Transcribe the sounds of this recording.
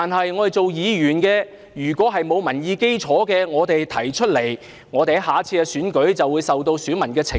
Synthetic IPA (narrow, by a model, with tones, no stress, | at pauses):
aː˨nɦɐ˨jŋɔː˨˧t̪e˨jt͡so˨wjiː˨˧jyː˨˩nkɛː˧ | jyː˨˩kʷɔː˨˥ɦɐ˨jmo˨˧wmɐ˨˩njiː˨˧ke˥jt͡ʃʰɔː˨˥kɛː˧ŋɔː˨˧t̪e˨jt̪ʰɐ˨˩jt͡ʃʰɵ˥t̚le˨˩j | ŋɔː˨˧t̪e˨˧˥jɦaː˨t͡sʰiː˧kɛ˧syː˨˥nkɵ˨˥ɥt͡sɐ˨wːuː˨˧jsɐ˨wt̪o˧wsyː˨˥nmɐ˨˩nkɛː˧t͡sʰɪ˨